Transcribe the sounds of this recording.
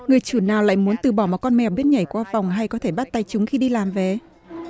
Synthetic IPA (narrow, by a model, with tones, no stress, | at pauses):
ŋɨ˨˩əjt͡ɕu˧˩naː˨˩wla̰ː˧˨jmu˨˦ənt̪ɨ˨˩ɓɔ˧˩mɔ˨˩kɔ˧nmɛ˨˩ɓi˦˥ət̚ɲa˧˩jkwaː˧fa˨˩wŋ͡mɦa˧jkɔ˨˦t̪ʰe˧˩ɓa˦˥t̚t̪a˧jt͡ɕʊ˨˦ŋ͡mxi˧ɗi˧laː˨˩mve˨˩